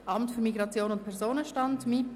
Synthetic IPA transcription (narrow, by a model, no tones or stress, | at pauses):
ʔɑmtfyɾmiɡɾɑt͡sjoːnʊntpʰɛʁzoːnəʃtɑntmɪt